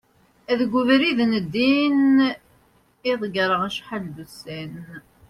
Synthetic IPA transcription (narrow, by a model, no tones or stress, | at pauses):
æðɡʷuvɾiðnəd̪ːin | iðˤɡɾˤəʁæʃħald̪usæn